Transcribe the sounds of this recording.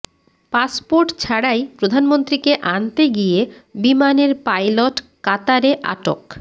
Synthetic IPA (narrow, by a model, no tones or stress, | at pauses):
paspoɾʈt͡ɕʰaɽajpɾod̪ʱanmont̪ɾikeʔant̪eɡijebimaneɾpajloʈkat̪aɾeʔa̰ʈo̰k